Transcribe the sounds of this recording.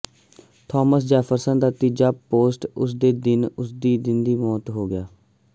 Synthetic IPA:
t̪ʰɔːməs̬d͡ʒɛːpʰəɾsənd̪aːt̪iːd͡ʒaːpoːsʈʊsd̪eːd̪ɪnʊsd̪iːd̪ɪnd̪iːmɔːt̪ɦoːɡɪjaː

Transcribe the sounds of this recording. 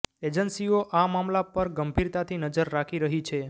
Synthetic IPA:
ed͡ʒənsioʔamamlapəɾɡəmbʱiɾt̪at̪ʰinəd͡ʒəɾːakʰiɾəɦit͡ʃʰe

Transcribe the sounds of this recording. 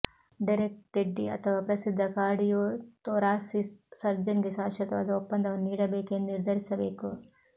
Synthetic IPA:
ɖiɾek̚ʈeɖːiɐ̰t̪ʰɐʋaːpɾɐsid̪ʱːɐkaːɽijoːt̪oɾaːsissɐɾd͡ʒɐnɡisaːʃɐt̪ɐɐd̪upːɐnd̪ʱɐʋɐniːɽɐbeːkenniɾd̪ʱɐɾisɐbeːku

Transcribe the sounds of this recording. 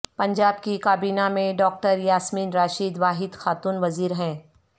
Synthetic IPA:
pɐ̃ɲd͡ʒaːb̚kikaːbiːnamẽɖɔːk̚ʈəɾjaːsmiːnɾaːʃiːd̪ʋaːɦɪd̪xaːt̪uːnʋɐziːɾɦɛ̃ː

